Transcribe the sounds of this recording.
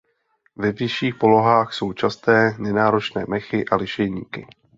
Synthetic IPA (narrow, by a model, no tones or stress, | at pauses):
vɛvɪʃiːxpo̞lo̞ɦaːxso̞wt͡ʃast̪ɛːnɛnaːɾo̞t͡ʃnɛːmɛxɪʔalɪʃɛjɲiːkɪ